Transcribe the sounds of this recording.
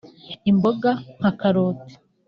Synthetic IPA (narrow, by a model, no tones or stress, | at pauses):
imboɡaŋ̥hakaɾoːte̥